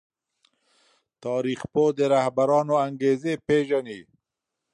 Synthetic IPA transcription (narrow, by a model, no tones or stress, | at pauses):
t̪ɑːɾixpod̪əɾahbaɾɑːnoaŋɡezepeʒani